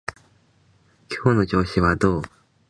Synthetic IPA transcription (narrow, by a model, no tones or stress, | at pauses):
kʰjonut͡ɕoɕiwad̪o